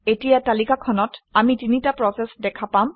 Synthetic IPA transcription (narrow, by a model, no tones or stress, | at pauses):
etijatalikakʰɔnɔtamitinitapɹɔsɛsdɛkʰapam